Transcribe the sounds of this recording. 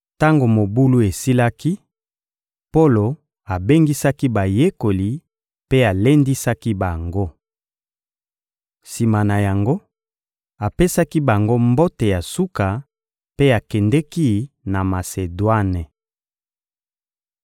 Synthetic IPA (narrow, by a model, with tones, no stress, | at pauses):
ta˦ŋɡo˨mo˨bu˦lu˦e˨si˦la˦ki˦ | po˦lo˨ | a˨be˦ŋɡi˦sa˦ki˦ba˨je˦ko˨li˨ | pe˦a˨le˦ndi˦sa˦ki˦ba˨ŋɡo˦ | si˨ma˨na˨ja˨ŋɡo˦ | a˨pe˦sa˦ki˦ba˨ŋɡo˦mbo˦te˨ja˨su˦ka˨ | pe˦a˨kɛ˨ndɛ˦ki˦ | na˨ma˨se˨dwa˦ne˨